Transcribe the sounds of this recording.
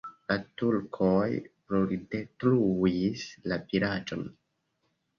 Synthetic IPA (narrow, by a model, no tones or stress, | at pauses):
latulkʰojpɾoldetluislapiɾat͡ʃo̰n